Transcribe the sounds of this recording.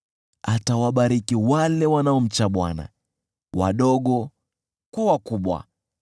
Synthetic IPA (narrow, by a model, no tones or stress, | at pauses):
atawaɓaɾikiwalɛwanaɔm̩t͡ʃaɓwa̰na̰ | wa̰ɗɔɠɔ | kwawakuɓwa̰